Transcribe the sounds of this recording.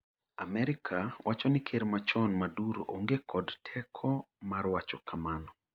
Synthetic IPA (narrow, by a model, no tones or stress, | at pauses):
a̰mɛɾɪkʰawʔat͡ʃɔnɪkʰeɾmat͡ʃɔnmaduɾo̰ʔoŋɡekʰɔdtʰɛkʰɔ | maɾwat͡ʃɔkʰamanɔ